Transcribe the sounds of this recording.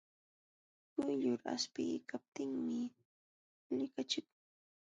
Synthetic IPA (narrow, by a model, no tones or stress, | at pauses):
kʊjʎʊɾa̰spɪkap̚t̪ɪŋmɪ | nɪkat͡ʃɪkʊ